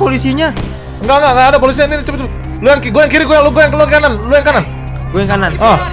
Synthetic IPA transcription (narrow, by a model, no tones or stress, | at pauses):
polisiɲa | ŋɡaŋɡaʔŋɡaːdap̬olis̬iɲanit͡ʃ̪upt̪ | lujaŋkiɡojaŋkiɾiɡujaŋluɡojaŋkluaŋkkananlujaŋkanan | ɡoɛŋkananɔ